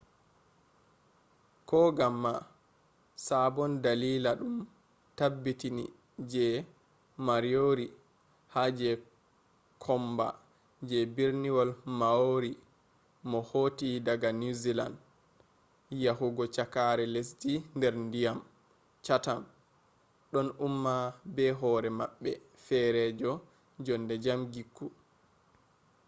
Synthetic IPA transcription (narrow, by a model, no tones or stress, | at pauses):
kɔɡamːa | sabɔndaliːlaɗum | tabːitinḭ | d͡ʒɛ | maɾijoɾi | had͡ʒɛ | kʰɔmba̰ | d͡ʒɛbiɾniwɔlmaoɾi | mɔhotidaɡanuzila̰nd | jaɦuɡɔt͡ʃakaɾɛlesd͡ʒindɛɾndijam | t͡ʃatam | ɗɔnumːabɛɦɔɾɛmaɓːɛ | fɛɾɛd͡ʒɔ | d͡ʒɔndɛd͡ʒamɡikːu